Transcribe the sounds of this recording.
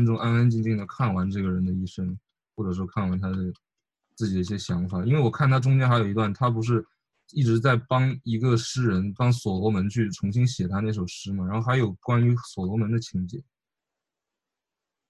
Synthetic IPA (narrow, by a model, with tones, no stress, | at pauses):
nʈ͡ʂʊ˥ŋʔa˥na˥nt͡ɕi˥˧ŋt͡ɕi˥˩ŋd̪ə˧˩kʰa˥˩nwa˧˥nʈ͡ʂɤ˥˩ɡə˩ɻə˧˥nd̪ə˧i˥˩ʂə˥ŋ | xwɔ˥˩ʈ͡ʂɤ˨˩ʂ̬wɔ˥kʰa˥˩nwa˧˥nt̪ʰa˥d̪ə˨ | t͡sɹ̩˥˩t͡ɕi˨˩d̪ə˦i˥˩ɕjɛ˥ɕjɑ˧˥ŋfa˨˩i˥nwe˥˩ɪwɔ˨˩kʰa˥˩nt̪ʰa˥ʈ͡ʂʊ˥ŋt͡ɕjɛ˥nxa˧˥jo˨˩i˧˥t̪wa˥˩nt̪ʰa˥p̬u˧˥ʂ̬ɻ̩˥˧ | i˥˩ʈ͡ʂɻ̩˧˥t͡sa˥˩ɪpɑ˥ŋi˧˥ɡə˧ʂɻ̩˥ɻə˧˥npɑ˥ŋswɔ˨˩lɔ˧˥mə˧˥nt͡ɕʰy˥˩ʈ͡ʂʰʊ˧˥ŋɕi˥ŋɕjɛ˨˩t̪ʰa˥ne˥˩ɪʂo˨˩ʊʂɻ̩˥mɐ˩ɻa˧˥nxo˥˧˩x̬ʰɪjo˨˩ʊkwa˥ny˧˥swɔ˨˩lɔ˧˥mə˧˥nd̪ə˧t͡ɕʰi˧˥ŋt͡ɕjɛ̰˨˩˦n